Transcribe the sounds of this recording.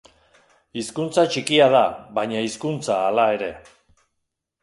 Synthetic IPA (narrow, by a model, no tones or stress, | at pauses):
iskunt͡sat͡ʃikiað̞aβaɲaiskunt͡saːlae̞ɾe̞